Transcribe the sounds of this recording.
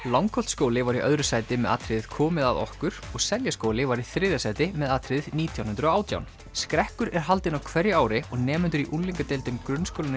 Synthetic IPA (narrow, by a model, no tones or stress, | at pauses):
lawŋkʰɔl̥t̪skowlɪvaɾiʔœðɾʏsaːjt̪ɪmɛða̰ːt̪ʰɾɪððkʰɔːmɪðaðɔ̰hkʏɾ̥ɔɣsɛljaskoːwlɪvaɾiθɾɪːðasaːjt̪ɪmɛðaːt̪ʰɾɪððniːt̪ʰjawnʏnt̪ɾɔaːwt̪ʰja̰wn | skɾɛhkʏɾɛɾ̥ɦalt̪ɪnawkʰvɛɾjɪaːwɾɪɔɣnɛːmɛnt̪ʏɾiʔunliŋkat̪ejlt̪ʏmkɾʏnskowlɪnɪ